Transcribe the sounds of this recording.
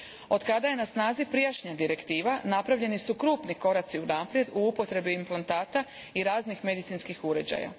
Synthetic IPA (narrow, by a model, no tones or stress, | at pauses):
o̞d̪kad̪aje̞nasnaːzipɾijaʃɲad̪iɾe̞kt̪iːʋanapɾaʋʎe̞nisukɾuːpniko̞ɾat̪siunaːpɾje̞d̪uupo̞t̪ɾe̞biimplˠant̪aːt̪a | iɾaːznixme̞d̪it̪sinskixuɾe̞d͡ʑa̰ja̰